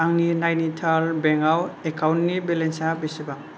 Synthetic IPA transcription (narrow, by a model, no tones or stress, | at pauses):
aŋninajnitʰalbɛŋawekʰawnnibelensabeseba